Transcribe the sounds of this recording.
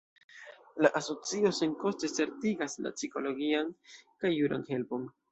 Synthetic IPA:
laʔaso̞t͡sio̞se̞nko̞stese̞ɾtiɡasla̰t͡siko̞lo̞ɡiankajːuɾa̰nhe̞lpo̞n

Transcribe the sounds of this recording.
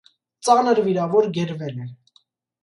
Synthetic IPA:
t͡sɑnəɾviɾɑvɔɾɡɛɾvɛlɛ

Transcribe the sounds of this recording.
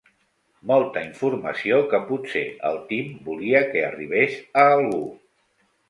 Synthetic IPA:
molˠt̪əiɱfuɾmə̰siokəput̪sḛə̰lˠt̪imbuliəkə̰ːriβ̞esəːlˠɣ̞u

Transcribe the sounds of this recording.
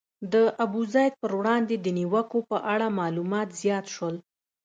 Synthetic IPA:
d̪əʔabuzɑjd̪̚pəɾwɽɑnd̪ed̪əniwəkopəʔaɽamɑlumɑt̪z̥jɑt̪ʃwəl

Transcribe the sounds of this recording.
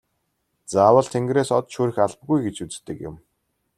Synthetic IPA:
t͡saːwə̆ɮt̪ʰeŋɡreːsɔt̪ʃuːɾɘ̆xaɮp̚ɡujɡet͡ɕut͡st̪ɘ̆kjʊ̰m

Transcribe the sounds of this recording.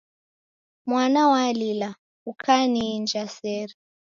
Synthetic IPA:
mwanawalila | ukʰaniːnd͡ʒasɛɾɛ

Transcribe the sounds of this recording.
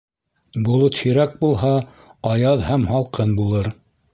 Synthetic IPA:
bulˠot̪hiɾæk̚bulˠɦɑ | ɑjɑðhæmhɑlˠqʰɤnbulˠɤɾ

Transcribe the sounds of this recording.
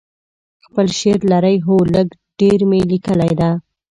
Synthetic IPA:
xpəlʃeɾlaɾəjɦoləɡ | ɖ̥eɾmelikəlajd̪a

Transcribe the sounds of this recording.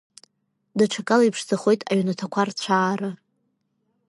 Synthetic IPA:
daʈ͡ʂʰakʼalaipʰʂd͡zaχojtʼaɥnatʰakʷʰart͡ɕʷʰaːrɨ

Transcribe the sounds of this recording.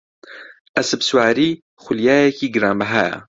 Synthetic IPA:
ʔɐsɨbswaːɾiː | xʷʊljaːjɛkiːɡɨɾaːmbɐɦaːja̰

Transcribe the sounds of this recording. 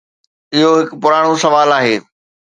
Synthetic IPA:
ɪɦoɦɪkpʊɾaːɽ̃osɐʋaːlaːɦeː

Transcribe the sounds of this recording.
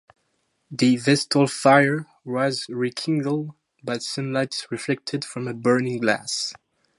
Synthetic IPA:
ðɨvɛstʰl̩ˠfaɪə˞ | wʌzɹikʰɪ̃ŋɡl̩ˠd̚ | bʌtsʌ̃mlaɪtsɹɨflɛk̚tʰɨd̥fɹʌ̃mɨbɜ˞nɪ̃ŋɡlæ̰s

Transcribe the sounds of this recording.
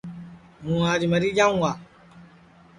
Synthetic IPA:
mũad͡ʒimɐɾid͡ʒaŋwa

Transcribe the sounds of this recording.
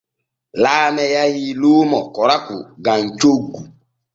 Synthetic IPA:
laːmɛjajiluːmɔkɔɾakṵɡaɲt͡ʃoɡːu

